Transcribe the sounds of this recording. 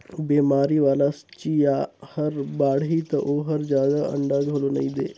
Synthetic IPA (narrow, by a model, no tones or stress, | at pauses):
beːmaːɾiʋaːlast͡ʃijaːhɐɾbaːɽɦit̪ɐʔoːɦɐɾd͡ʒjaːd̪aɐ̰̃ɳɖaɡʱoːlonɐĩːd̪ḛː